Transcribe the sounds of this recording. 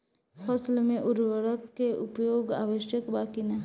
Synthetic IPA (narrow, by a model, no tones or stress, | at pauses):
pʰɐslmẽʔʊɾwəɾəkːeʔʊpjoːɡa̰ːʋəʃjəkbaːkinɐɦ